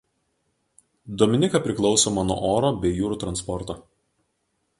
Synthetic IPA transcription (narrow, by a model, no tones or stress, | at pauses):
d̪oːmʲɪnʲɪkɐˑpʲɾʲɪklˠɒʊsoːmɐnuɔ̰ʔoːɾoːbʲɛɪjuːɾuːˑt̪ɾɐnspɔɾt̪oː